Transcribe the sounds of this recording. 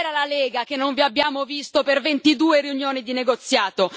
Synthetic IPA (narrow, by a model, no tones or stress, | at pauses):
ɾalaleːɡakenːoɱviabːjaːmovist̪opervent̪id̪uːeɾiunjoːnid̪ineɡot̪sːjaːt̪o